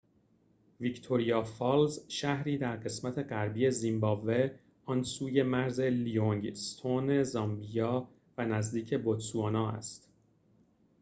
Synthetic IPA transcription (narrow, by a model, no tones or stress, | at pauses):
vict̪ʰo̞ɾijɒːfɒːlzʃæhɾiːd̪æɾɢe̞smæt̪ʰe̞ɢæɾbiːe̞zimbɒːve̞ | ɒnsuːje̞mæɾze̞lijoŋɡst̪ʰone̞zɒmbijɒː | vænæzd̪iːcʰe̞bot̪suɑːnɒːæ̰st̪